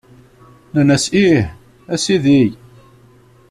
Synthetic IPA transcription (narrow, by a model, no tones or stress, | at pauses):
nənæsih | æsiðij